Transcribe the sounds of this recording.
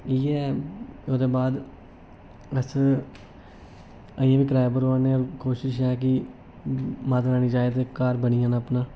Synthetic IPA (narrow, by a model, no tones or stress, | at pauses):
iːɛːoːd̪eːbaːd̪ | əs | əɪ̃jãːʋiːkɾaːbəɾoaːneːɔːɾkoːʃɪʃɛːk̬ɪ | mãːt̪ɾãːniːd͡ʒaːeːt̪eːkaːɾbəñiːãːnaːpnãː